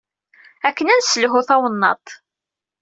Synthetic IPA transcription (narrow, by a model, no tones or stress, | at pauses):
ækːənænsəlɦʊθɑwənːɑ̰t̪